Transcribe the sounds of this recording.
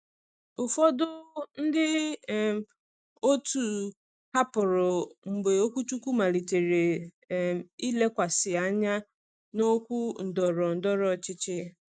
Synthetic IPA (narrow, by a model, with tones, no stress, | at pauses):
ʊ˨fɔ˦dʊ˦n̩˦dɪ˦ | o˦tu˨ | ka˦pʊ˨ɾʊ˨m̩˨ɡ͡be˨o˦kʷu˦tu˦kʷu˦ma˨li˨te˨ɾe˨ | i˦le˦kʷa˨sɪ˨a˦ɲa˦ | no˦kʷu˦n̩˨dɔ˨ɾɔ˨n̩˨dɔ˦ɾɔ˨t͡ʃɪ˦t͡ʃɪ˦